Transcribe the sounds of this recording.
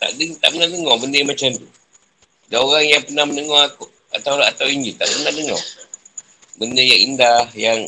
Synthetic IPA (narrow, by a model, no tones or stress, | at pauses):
t̪a̰ʔdət̪a̰ʔpənahdəŋɔbəndəmat͡ʃamt̪u | daoɣaŋjaŋpənahmənəŋɔhak | at̪awat̪awiɲd͡ʒit̪a̰ʔpənahdəŋɔ̰ | bəndəjaŋindahjaŋ